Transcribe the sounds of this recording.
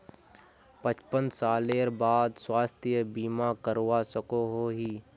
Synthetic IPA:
pət͡ʃpənsaːleːɾbaːd̪swaːst̪ʰijəbiːmakəɾwasəkoɦoɦiː

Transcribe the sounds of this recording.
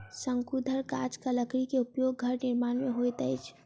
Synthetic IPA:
səŋkud̪ʱəɾkad͡ʒkaləkɾikeupjoɡɡʱəɾnɪɾmanmeɦojt̪əjt͡ʃʰ

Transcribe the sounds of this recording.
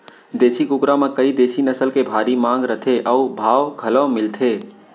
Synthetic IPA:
d̪eːsʰikʊkɾamẽkəid̪eːsinəsəlkebʱaːɾimãːŋɡɾət̪ʰeʔəubʱaːwɡʱələmɪlt̪ʰeː

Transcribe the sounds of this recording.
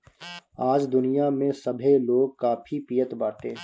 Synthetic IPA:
aːd͡ʒd̪ʊnijamẽsɐbʱeloːɡ̚kaːpʰipijət̪baːʈ̪eː

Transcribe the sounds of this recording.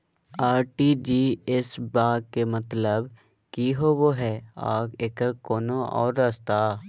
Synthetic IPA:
aːɾʈiːd͡ʒiːesbaːɡ̚kemət̪ləb | kiɦoʋoːɦɛːa̰ːkeːkəɾkoːnoʔɔ̰ːɾːəst̪aː

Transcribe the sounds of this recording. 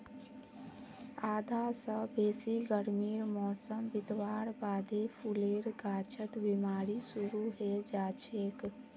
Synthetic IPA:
ad̪ʱasə̃beːsiɡəɾmiːɾmɔsəmbid̪ʋaɾbaːd̪epʰuleɾɡat͡ʃʰət̪bimaːɾisuɾuɦed͡ʒat͡ʃʰek

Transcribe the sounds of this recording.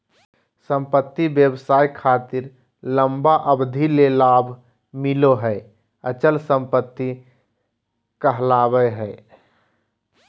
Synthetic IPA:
sə̃mpət̪ːibjəbsaːikʰaːt̪ɪɾ | ləmbaʔəbd̪ʱilelaːbʱ | mɪloɦɛɪ | ət͡ʃəlsə̃mpət̪ːi | kəɦlaːbəɦɛɪ

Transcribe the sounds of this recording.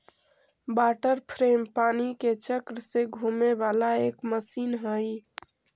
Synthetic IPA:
baʈəɾpʰɾempaːniket͡ʃəkɾseɡʱumebalaekməsiːnɦəj

